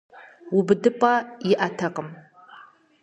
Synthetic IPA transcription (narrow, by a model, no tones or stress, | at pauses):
ubdɨpʼaiʔatʰaqʼəm